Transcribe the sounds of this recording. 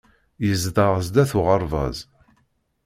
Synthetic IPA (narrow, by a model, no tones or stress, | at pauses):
jəzðəʁəzd̪æθʊʁəɾˤvɑ̰z